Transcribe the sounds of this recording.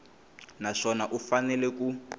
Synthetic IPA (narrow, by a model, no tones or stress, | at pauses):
naʂɔnaʔufanɛlɛku